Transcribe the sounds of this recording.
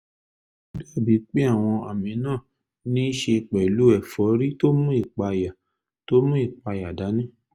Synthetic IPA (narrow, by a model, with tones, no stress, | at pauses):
bi˦ɛ˦˨bi˨˦k͡pe˦a˦˨w̃ɔ̃˧a˨mĩ˨˦nãː˦˨ | nĩ˦ʃe˧˨k͡pɛ˨lu˨˦ɛ˨fɔ˨˦ɾi˦to˦mũ˦i˦˨k͡pa˧ja˨ | to˦mũ˦i˦˨k͡pa˧˨ja˨da˨˦nĩ˦˨